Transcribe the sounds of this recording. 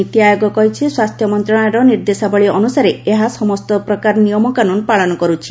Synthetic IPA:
it̪iajoɡɔkɔɦit͡ʃʰiswast̪ʰjɔmɔnt̪ɾɔɽ̃eɾɔniɾd̪esabɔɭiɔnusaɾeeɦasɔmɔst̪ɔpɾɔkaɾnijɔmɔkanunpaɭɔnɔkɔɾut͡ʃʰi̥

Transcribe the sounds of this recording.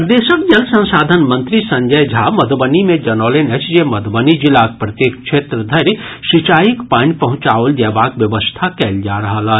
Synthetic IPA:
pɾd̪eːʃəkd͡ʒɐlsɐ̃nsaːd̪ʱənmɐ̃nt̪ɾisɐ̃ɲd͡ʒəjd͡ʒʱaːmɐd̪bənimẽd͡ʒɐnɔːlenet͡ʃd͡ʒemɐd̪bənid͡ʒɪlaːk̚pɾɐt̪jeːkkʃeːt̪ɾəd̪ʱɐɾʃɪt͡ʃaːjikpaːɳpɐɦʊ̃t͡ʃaːold͡ʒɛːbaːkʋjɐʋəst̪ʰakɛːld͡ʒaːɾɐɦalaː

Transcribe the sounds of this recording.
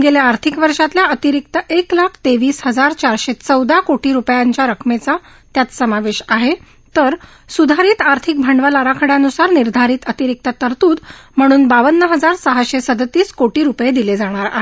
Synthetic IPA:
ɡeljaːɾt̪ʰikʋəɾʂat̪ljaət̪iɾik̚t̪əʔeklakʰt̪eʋiːsɦəd͡zaɾt͡ɕaɾɕet͡səwd̪ʱakoʈiːɾupjaɲt͡ɕjaɾəkʰmet͡sa | t̪jat͡ssəmaʋeɕaɦe | t̪əɾ | sud̪ʱaɾiːt̪aɾt̪ʰik̚bʱaɳɖʋəlaɾakʰəɽjãnusaɾniɾd̪ʱaɾiːt̪ət̪iɾik̚t̪ət̪əɾt̪uːd̪m̤əɽ̃uːnbaʋənːəɦəd͡zaɾsəɦaɕesəd̪ət̪iːskoʈiːɾupjed̪iled͡zaɽ̃aɾa̰ɦe

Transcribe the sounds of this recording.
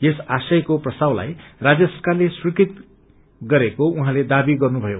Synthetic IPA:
jesasʌjkoprʌst̪awla̰jrad͡zjʌsʌrkarleswikit̪ | ɡʌɾekouɦãled̪abiɡʌrnubʱʌjo

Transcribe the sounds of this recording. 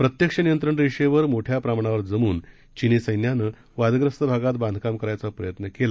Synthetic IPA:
pɾət̪jəkʂənijənt̪ɾəɳɾiʂeʋəɾmoʈʰjapɾamɳaʋəɾd͡zəmuːn | t͡ɕinesəjnjanəː | ʋad̪ɡɾəst̪əbʱaɡat̪̚bãnd̪ʱkamkəɾajt͡sapɾəjət̪nəkela

